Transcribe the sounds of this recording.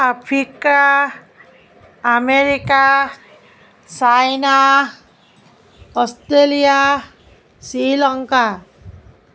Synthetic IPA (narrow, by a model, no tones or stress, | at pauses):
apʰɾika | meɾika | sajna | ɔst̪ɾelia | silɔŋka